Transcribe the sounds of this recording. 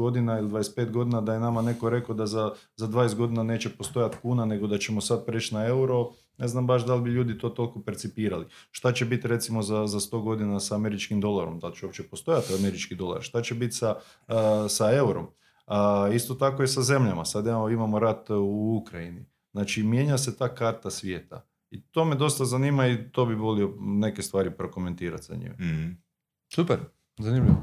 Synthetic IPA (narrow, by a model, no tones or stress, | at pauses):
od̪inailid̪ʋajespet̪ɡo̞d̪inad̪ajenamane̞koɾe̞kod̪azazad̪ʋajest̪ɡo̞d̪inane̞ːt͡ɕe̞po̞st̪o̞jat̪kuːnane̞ɡo̞d̪at͡ɕe̞mosad̪̚pɾeːt͡ʃnae̞uɾo̞ | ne̞znambaʃd̪albiʎuːd̪it̪o̞ːt̪o̞liko̞peɾt̪sipiːɾaliʃt̪at͡ɕebit̪ɾe̞t̪simo̞zazast̪o̞ɡo̞d̪inasaːme̞ɾit͡ʃkimd̪o̞lˠaɾo̞md̪alt͡ʃeo̞pt͡ʃe̞post̪o̞jat̪ame̞ɾit͡ʃkid̪o̞lˠa̰ɾʃt̪at͡ɕe̞bit̪sa | sae̞uɾom | ist̪o̞t̪akojesaze̞mʎamasad̪iimamo̞ɾat̪uukɾajini | znaːt͡ʃimje̞ɲas̬e̞t̪aːkaɾt̪asʋje̞ːt̪a̰ | it̪o̞ːme̞d̪o̞st̪azaniːmait̪o̞biʋo̞lio̞ne̞ke̞st̪ʋaːɾipɾo̞ko̞me̞nt̪iːɾa̰t̪za̰ɲḭm | supeɾ | zanimʎiʋo